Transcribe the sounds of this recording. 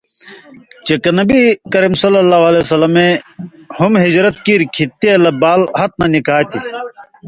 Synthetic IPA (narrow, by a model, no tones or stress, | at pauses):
t͡ɕekɐnɐbikɐɾimsɐlːɐlːaːɦwɐlesɐlɐme | humɦid͡ʑɾɐt̪kiɾkʰit̪ːelɐbaːlhɐt̪̚nɐnikaːt̪i